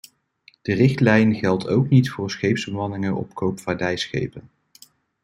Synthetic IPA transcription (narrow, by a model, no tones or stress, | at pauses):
d̥ərɪχtlɛjnχɛlˠto̰wknitfʊːɹsχejpzbəmɑnɪŋənʔɔ̰pkowpfaːɹdɛjsχḛjpən